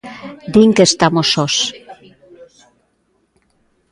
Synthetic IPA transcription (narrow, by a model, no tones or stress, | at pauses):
d̪iŋkest̪amosos